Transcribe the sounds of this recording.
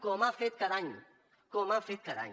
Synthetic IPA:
koːmãːfeːt̪̚kɐɾaːḭ̃ː | koːmãːfeːt̪̚kɐɾa̰ːḭ̃

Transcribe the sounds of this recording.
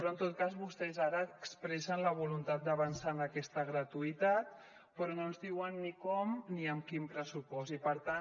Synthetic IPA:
ɾɔənt̪ot̪̚kazβust̪ɛzaɾəːkspɾɛsənləβ̞ulunt̪at̪̚d̪əβənsanəkɛst̪əɣ̞ɾət̪uit̪at̪ | pɾɔnonzðiwənːikɔmniəmkimpɾəsupɔsipəɾt̪a

